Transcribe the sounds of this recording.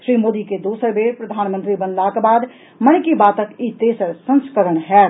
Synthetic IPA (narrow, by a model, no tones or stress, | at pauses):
ʃɾimod̪iked̪osəɾbeɾpɾəd̪ʱanmənt̪ɾibənlakebad̪ | mənkibat̪əkit̪esəɾsə̃nskəɾəɳɦɛt̪